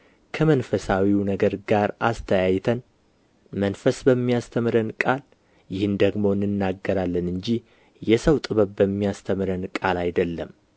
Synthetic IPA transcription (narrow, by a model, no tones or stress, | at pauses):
kʰəmənfəsawiwnəɡəɾɡaɾast̪ʰəjajt̪ʰən | mənfəsbəmːijast̪ʰəmɨɾənkʼal | jɪhɨnd̪əɡmo̞ɨnːɨnːaɡːəɾalːənɨɲd͡ʒi | jɛsəwt̪ʼɨβəβbəmːijast̪ʰəmɨɾənkʼalajd̪əlːəm